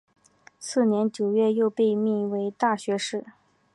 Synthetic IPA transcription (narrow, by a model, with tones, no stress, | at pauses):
sɹ̩˥˩njɛ˧˥nt͡ɕjo˨˩ʊɥɛ˥˧jo˥˧ʊpe˥˧ɪmi˥˩we˧˥ɪt̪a˥˩ɕɥɛ˧˥ʂɻ̩˥˩